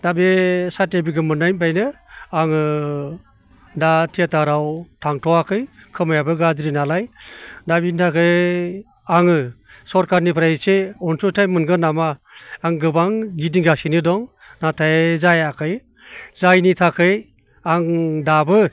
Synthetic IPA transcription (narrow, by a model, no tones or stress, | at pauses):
d̥abesatebiɡɯmɯnajnbajnɯaŋɯ | datʰeataɾawtʰaŋtʰɔakʰɯjkʰɯmajabɯɡazɾinalajdabinitʰakʰɯj | aŋɯsɔɾkaɾnipʰɾaseɔnsɔtʰajmɯnɡɯnamaː | ŋɡɯbaŋɡidiŋɡasinidɔŋ | natʰajzajakʰɯj | zajnitʰakʰɯj | aŋdabɯ